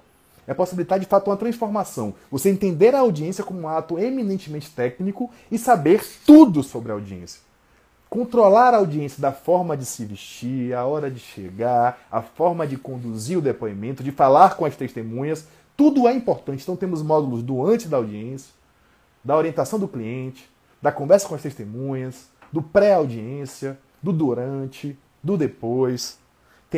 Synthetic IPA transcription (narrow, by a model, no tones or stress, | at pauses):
ɛposibilit̪aɾd͡ʒɪfat̪ʊũmɐt̪ɾɐ̃sfoɾmasɐ̃w̃voseẽnt̪ẽnd̪eɾɐawd͡ʒiẽsijɐkõmʊũat̪ʊeminẽnt͡ʃɪmẽnt͡ʃɪ̥t̪ɛknikʊ | ɪsabeɾt̪ud̪ʊsobɾɪɐawd͡ʒiḛ̃sjɐ̥ | kõnt̪ɾolaɾɐawd͡ʒiẽsijɐd̪ɐfɔɾmɐd͡ʒɪsɪviʃt͡ʃiɾɐɔɾɐd͡ʒɪʃḛɡaɾɐfɔɾmɐd͡ʒɪkõnd̪uziɾʊd̪epoĩmẽnt̪ʊd͡ʒɪfalaɾkõɐst̪eʃt̪emũɲɐs | t̪ud̪ʊɛĩmpoɾt̪ɐ̃t͡ʃɪ̃ẽt̪ɐ̃w̃t̪ẽmʊzmɔd̪ulʊzd̪uɐ̃nt͡ʃɪzd̪ɐawd͡ʒiẽsiɐ | d̪ɐoɾiẽnt̪asɐ̃w̃d̪ʊkliẽt͡ʃɪ̥ | d̪ɐkõvɛɾsɐkõɐst̪eʃst̪emũɲɐs | d̪ʊpɾɛawd͡ʒiẽsiɐ | d̪ʊd̪uɾɐ̃t͡ʃɪ | d̪ʊd̪epojs | t̪ẽ